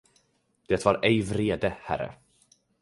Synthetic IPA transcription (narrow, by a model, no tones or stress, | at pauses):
d̪̥ɛt̪vɑɾɛjvɾeːd̪əhæ̰ɾːə̰